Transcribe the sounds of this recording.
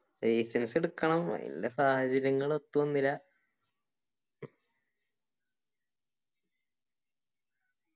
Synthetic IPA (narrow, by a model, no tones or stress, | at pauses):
eːsenseɽukːɐɳɐmɐ̰ðḭlːesaːhɐt͡ɕɐɾjɐŋːɐɭo̞t̪ːuʋɐnːilːɐ